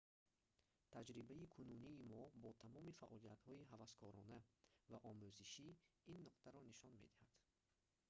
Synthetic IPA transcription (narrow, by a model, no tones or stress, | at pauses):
t̪ʰad͡ʒɾibaikʰununiːmɔbɔt̪ʰamɔmifaʔɔlijat̪hɔiɦavaskʰɔɾɔnavaʔɔmuziʃiinːuqt̪ʰaɾɔniʃɔnmḛd̪ihad̪̥